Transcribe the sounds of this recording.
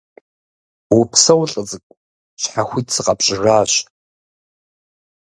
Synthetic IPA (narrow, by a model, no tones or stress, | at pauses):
wʊpʰsɐwɬʼɨd͡zɨkʷʼ | ɕħaxʷiːtsɨqʼɑpɕʼɪraːɕ